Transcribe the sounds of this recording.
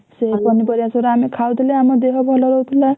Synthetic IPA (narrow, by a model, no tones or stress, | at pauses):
sepʌnːipʌɾjasoɾamekʰawd̪ileamad̪eɦʌbʱʌlʌɾʌwt̪ʰula